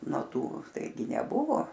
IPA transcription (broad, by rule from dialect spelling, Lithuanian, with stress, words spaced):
noː ˈtuː ˈtɐɪɡʲɪ nʲɛˈbʊʋoː